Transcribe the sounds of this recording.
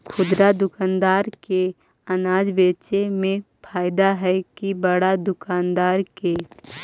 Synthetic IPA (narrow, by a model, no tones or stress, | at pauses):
kʰʊd̪ɾad̪ʊkaːnd̪aːɾke | ɐnaːd͡ʒbeːt͡ʃemẽ | pʰaːɪd̪aɦɛkibəɽad̪ʊkaːnd̪aːɾke